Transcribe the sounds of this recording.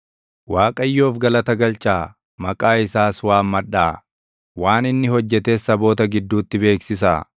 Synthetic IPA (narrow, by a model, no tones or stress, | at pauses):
waːkʼɐjːoːfɡɐlɐt̪ɐɡɐlt͡ʃaː | mɐkʼaːɪsaːswaːmmɐᶑaː | waːnɪnːɪhɔd͡ʒːɛt̪eːsɐbo̞ːt̪ɐɡɪd̪ːuːt̪ːɪbe̞ːksɪsaː